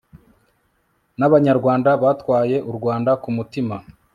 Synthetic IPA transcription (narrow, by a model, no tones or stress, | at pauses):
naβaɲaɾɡwaːndaβaːtkwaːje̞ʔuɾɡwaːndakumutima